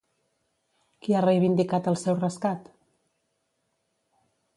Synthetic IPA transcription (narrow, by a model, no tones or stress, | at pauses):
kiarəjβind̪ikat̪əlˠsɛwrəskat̪